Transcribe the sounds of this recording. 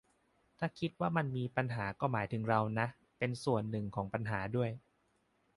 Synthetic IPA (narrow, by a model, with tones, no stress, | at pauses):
t̪ʰaː˥˩kʰi˦˥t̪̚waː˥˩ma˧nmiː˧pa˧nɦaː˩˦kɔː˥˩maː˩˦jt̪ʰɯ˩˦ŋɾa˧wna˦˥ | pe˧nsu˨˩ənːɯ˨˩ŋkʰɔː˩˦ŋpa˧nɦaː˩˦du˥˩əj